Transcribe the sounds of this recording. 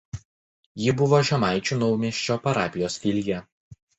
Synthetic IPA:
jɪbʊʋoːʒʲɛmɑˑɪt͡ʃʲuˑnɒʊmʲiɛʃʲt͡ʃʲoːpɐɾɑːpʲɪjoːsfʲɪlʲjɛ

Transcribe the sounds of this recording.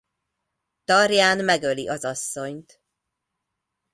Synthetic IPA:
t̪ɒrjaːnmɛɡøliʔɒzɒsːo̞ɲt̪

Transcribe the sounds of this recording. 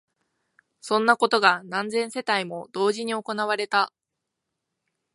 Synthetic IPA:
sõ̞nːako̞t̪o̞ɡanãnd͡zẽ̞ɰ̃se̞t̪aimo̞d̪̥o̞ːʑiɲ̟io̞ko̞naβ̞aɾe̞t̪a

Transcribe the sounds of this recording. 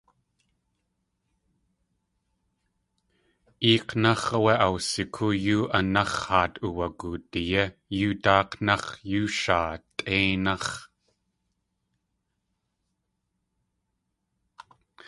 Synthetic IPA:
ʔiːqnɑχɐweʔɐwsɪkʰujuːʔɐnɐχhaːt̪ʼʔuwɐkut̪ijɐjuːt̪aːqnɑχjuːʃaːt̪ʼʔeːnɐχ

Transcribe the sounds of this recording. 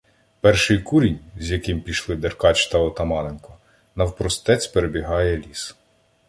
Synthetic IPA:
pɛrʃɪjkuɾʲinʲzʲjɐkɪmpʲiʃlˠɪd̪erkɑt͡ʃt̪ɐɔt̪ɐmɑlenkɔ | nɐwpɾɔst̪ɛt͡sʲpeɾebʲiɦɑjɛlʲis

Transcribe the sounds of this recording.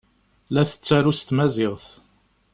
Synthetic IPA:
læθə̥t͡sːæɾust̪mæzɪʁθ

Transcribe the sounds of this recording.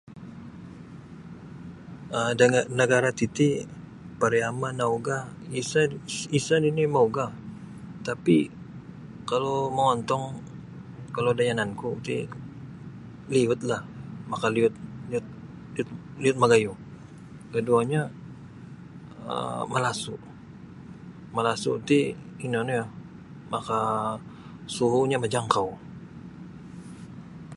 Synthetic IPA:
ədaanəɡaɾat̪it̪i | paɾiamanauɡa | isaisadinimauɡa | t̪api | kaloməŋɔnt̪ɔŋ | kalodajanankut̪ḭ | liʊt̪̚lahmakaliʊt̪̚liʊt̪̚ | liʊt̪̚liʊt̪̚maɡaju | kəduaɲa | ə̰malasu | malasṵt̪iinɔnja | maka | suɦuɲamad͡ʒaŋkaw

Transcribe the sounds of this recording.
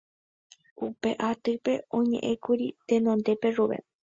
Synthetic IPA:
upe̞ʔat̪ɨpe̞õɲḛ̃ʔẽkuɾit̪enõnd̪e̞pe̞ʐuβḛ

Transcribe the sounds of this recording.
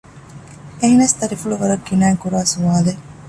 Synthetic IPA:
eɦnɐst̪ɐɾifuɭuʋɐɾɐkːinaːŋkuɾaːsuʋaːle

